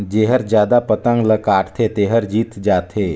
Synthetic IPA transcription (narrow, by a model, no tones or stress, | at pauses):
d͡ʒeːɦəɾd͡ʒjaːd̪apət̪ə̃ŋɡləkaːʈt̪ʰet̪eːɦəɾd͡ʒiːt̪d͡ʒaːt̪ʰeː